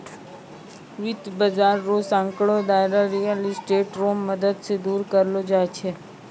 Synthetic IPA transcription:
ʋɪd̪bəd͡ʒaɾːosãŋkɭod̪ajɾaɾijəlisʈeʈɾomːəd̪əd̪sed̪uɾkəɾlod͡ʒajt͡ʃʰe

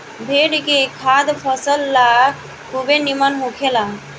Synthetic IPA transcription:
bʱeɽɡekʰad̪pʰəsəlːa | kubenimanɦukʰela

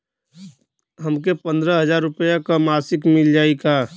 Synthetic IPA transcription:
ɦəmkepə̃nd̪ɾəɦəzaːɾːʊpəjakamaːsɪkmɪld͡ʒaːikaː

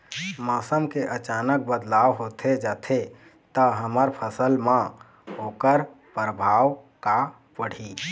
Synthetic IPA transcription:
maːsəmkeʔət͡ʃaːnək̚bəd̪laːwɦoːt̪ʰed͡ʒaːt̪ʰe | t̪əɦəməɾpʰəsəlmã | ɦoːkəɾ | pɾəbʱaːʋka | pəɽ̤i

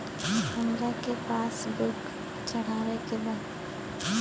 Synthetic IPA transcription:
həmɾakepaːsbʊk | t͡ʃɐɽ̤aːwekebə

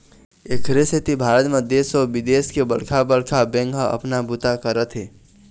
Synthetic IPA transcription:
ekʰɾesʰet̪ibʱaːɾət̪mẽd̪eːsɔbid̪eːskebəɽkʰabəɽkʰabɛ̃ŋɡɦaə̰pnabut̪akəɾət̪ɦɛː

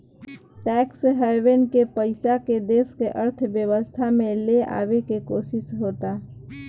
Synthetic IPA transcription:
ʈɛːksɦɛwenkepəɪsaked̪eːskeʔəɾt̪ʰʋjəʋəst̪ʰamẽlea̰ːwekekoːʃɪsɦoːt̪aː

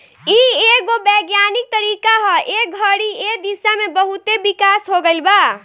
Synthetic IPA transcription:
ieɡobeːɡjanik̚t̪əɾikaɦɔʔeɡʱəɽied̪isamebəɦut̪ebikasɦoɡəlba

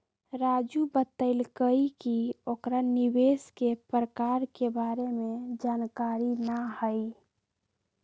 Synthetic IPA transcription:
ɾaːd͡ʒubət̪əɪlkəikiokɾaniweːskepɾəkaːɾkebaːɾemẽd͡ʒaːnkaɾinəhəi

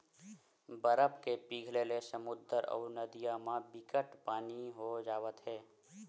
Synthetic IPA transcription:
bəɾəpkepiːɡʱlelesəmʊd̪əɾɔ̰ːɾnəd̪ijamãbɪkəʈpaːniɦod͡ʒaːʋət̪ɦɛː

